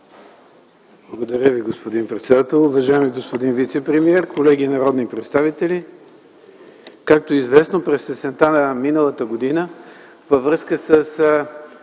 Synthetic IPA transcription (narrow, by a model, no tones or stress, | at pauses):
blˠəɡod̪ɐɾʲəviɡospod̪inpɾɛt̪sɛd̪at̪ɛlˠʊvɐʒaɛmiɡospod̪invit̪sɛpɾɛmiɛɾkolɛɡʲinɐɾɔd̪nipɾɛt̪st̪avit̪ɛlʲi | kak̚t̪oizvɛsnopɾɛsɛsɛnt̪anəminəlˠət̪əɡod̪inə | vəvɾɤskəsəs